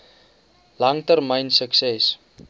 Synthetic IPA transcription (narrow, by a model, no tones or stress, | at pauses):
lɐŋtərməjnsəksɛs